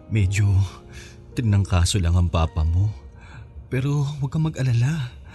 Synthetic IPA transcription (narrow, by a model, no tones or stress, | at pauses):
mɛːd͡ʒo̞ | t̪ɪɡ̚nɐŋkaːso̞lɐŋɐŋpaːpɐmo̞ | pɛːɾo̞wɐɡ̚kɐmɐɡʔɐlala